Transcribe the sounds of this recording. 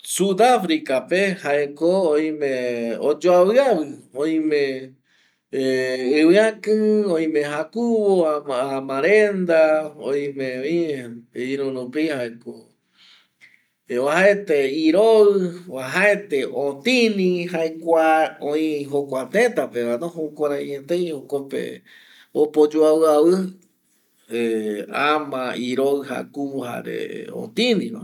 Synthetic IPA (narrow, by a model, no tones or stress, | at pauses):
sud̪afɾikapehaekooj̃mẽod͡ʒoawɨaβɨõĩmẽ | ɨwɨãkɨõj̃mẽɦakuβoaamãɾend̪aõj̃mẽĩ | iɾũnũpihaeko | ahaet̪eiɾoɨwaɦaet̪eot̪ĩnĩɦaekʷaõĩɦokʷat̪et̪apemãnoɦokʷaɾaɲet̪ejhokopḛ | opod͡ʒuawɨaβɨ | eamãiɾoɨɦa̰kuɦa̰ɾḛo̰t̪ĩnĩma̰